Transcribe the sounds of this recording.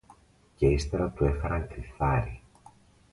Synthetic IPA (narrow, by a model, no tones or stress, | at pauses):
ce̞ist̪e̞ɾɐt̪ue̞xɐɾɐŋkɾiθɐɾi